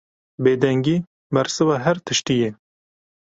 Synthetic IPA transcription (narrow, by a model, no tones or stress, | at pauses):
beːd̪ɛŋɡiː | mɛɾsɨvɑːɦɛɾt̪ʰɨʃt̪ijɛ